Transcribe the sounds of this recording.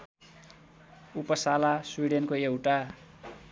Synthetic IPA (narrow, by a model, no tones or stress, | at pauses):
upʌsalaswiɽenkoewʈa